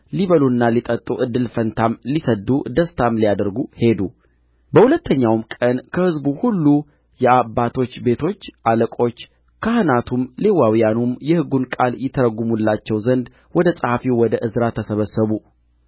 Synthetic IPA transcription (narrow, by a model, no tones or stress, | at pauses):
liβəlunːalit̪ʼət̪ʼːuʔɨd̪ːɨlfənt̪ʰamlisəd̪ːud̪əst̪ʰamlijad̪əɾɡuhe̞d̪u | bəhulət̪ʰːəɲːawmkʼənkʰəhɨzbuhulːu | jɛabːat̪ʰo̞t͡ʃːbe̞t̪ʰo̞t͡ʃːʔaləkʼo̞t͡ʃː | kʰahɨnat̪ʰumlewawijanumjɛhɨɡunkʼaljɪt̪ʰːəɾəɡumulːat͡ʃːɛwzənd̪ | wɔd̪əsʼəhafiwɔd̪əʔɨzɾat̪ʰːəsəβəsːəβu